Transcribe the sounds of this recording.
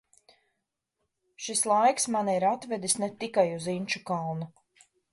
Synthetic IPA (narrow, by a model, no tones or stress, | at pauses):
ʃislˠajksmanɛiɾat̪vɛd̪isnɛt̪ikajuzinʲt͡ʃukalˠnu